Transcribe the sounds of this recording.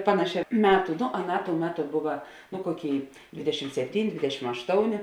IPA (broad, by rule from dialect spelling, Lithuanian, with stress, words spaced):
ˈpɑːnɐˌʃʲɛː ˈmʲæːtʊ noː ɐˈnɑː toːʊ ˈmʲæːˌtʊ ˈbʊʋɐ nʊ ˈkoːˌkʲeːɪ ˈdʲʋʲɪdʲɛʃʲɪm sʲɛpʲˈtʲiːnʲɪ ˈdʲʋʲɪdʲɛʃʲɪm ɐʃˈtoːʊnʲeː